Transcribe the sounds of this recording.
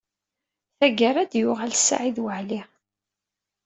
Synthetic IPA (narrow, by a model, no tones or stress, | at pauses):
θæɡəɾˤæd̪jʊʁælsːa̰ʕiðwəʕli